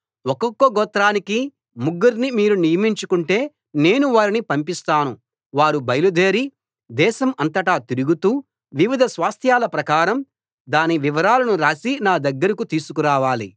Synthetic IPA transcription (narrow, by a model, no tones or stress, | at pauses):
ɔkɔkːoɡɔːt̪ːɾaːniki | muɡːɐɾnimiːɾunijɐmiɲt͡ʃukuɳʈe̞ː | ne̞ːnuʋaːɾinipɐmpist̪aːnu | ʋaːɾubɐjɐlud̪eːɾi | d̪ɛːʃɐmɐnt̪ɐʈaːt̪iɾuɡut̪uː | ʋiʋid̪ʱɐsʋaːst̪ʰjaːlɐpɾɐkaːɾɐm | d̪aːniʋiʋɐɾaːlɐnuɾaːsinaːd̪ɐɡːɐɾɐkut̪iːsukuɾaːʋaːli